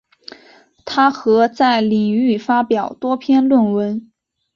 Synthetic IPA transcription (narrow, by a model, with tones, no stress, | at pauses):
t̪ʰa˥xɤ˧˥t͡sa˥˩ɪli˨˩ŋy˥˩fa˥pjɑ˨˩ʊt̪wɔ˥pʰjɛ˥nlwə˥˩nwə˧˥n